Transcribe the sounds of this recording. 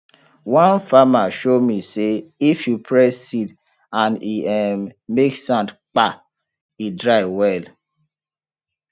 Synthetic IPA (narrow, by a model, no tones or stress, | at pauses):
wɔ̃nfamaʃomiseifjupʰɹɛsit | ãniɛmmeksãntk͡pa | idɹaɪwɛl